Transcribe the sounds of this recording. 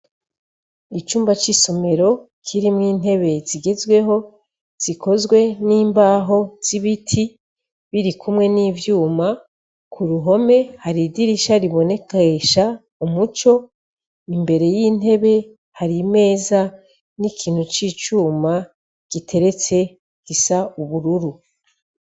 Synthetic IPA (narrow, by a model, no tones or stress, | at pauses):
it͡ʃuːmbat͡ʃiso̞me̞ɾo̞ | kʰiɾimŋiːn̥e̞βe̞ziɡe̞zɡwe̞ɦo̞ | z̥ikʰo̞zɡwe̞niːmbaːɦo̞z̥iβitʰi | βiɾikʰumŋe̞niːvjuːma | kʰuɾuɦo̞me̞haɾidiɾiʃaɾiβo̞ne̞kaeʃa | umut͡ʃo̞ | imbe̞ɾe̞jiːn̥e̞βe̞ | haɾime̞ːza | nikʰiːn̥hut͡ʃiːt͡ʃuːma | ɡ̥itʰe̞ɾe̞t͡se̞ | ɡ̥isauβuɾuɾu